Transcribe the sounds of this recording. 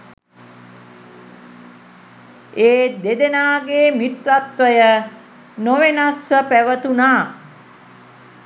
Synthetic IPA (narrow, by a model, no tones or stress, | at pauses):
eːd̪ed̪enaːɡeːmit̪ɾat̪ʋəjə | noʋenasʋəpæʋət̪unaː